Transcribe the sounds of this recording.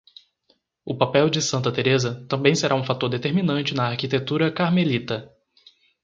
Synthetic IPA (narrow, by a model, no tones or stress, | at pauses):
ʊpapɛwd͡ʒɪsɐ̃nt̪ɐt̪eɾezɐt̪ɐ̃mbẽj̃seɾaũfat̪oɾd̪et̪eɾminɐ̃nt͡ʃɪnɐaɾkit̪et̪uɾɐkaɾmelit̪ɐ